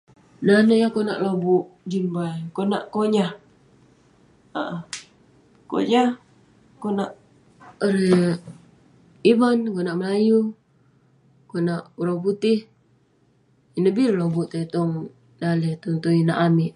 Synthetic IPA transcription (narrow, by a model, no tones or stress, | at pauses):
danəjakona̰ʔlobuʔd͡ʒimbakonaʔkoɲah | aʔa | ko̰ɲa | konaʔ | əɾe | imankonaʔməlaju | konaʔuɾawput̪ɪh | inəbiɾalobuʔt̪et̪ɔŋ | dalet̪ɔŋt̪oinaʔamiʔ